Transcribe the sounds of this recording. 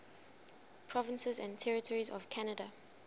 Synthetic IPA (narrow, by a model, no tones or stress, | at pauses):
pʰɹɔvə̃nsɛzã̰ntʰɛɹitʰɔɹizɔ̰vkʰanəda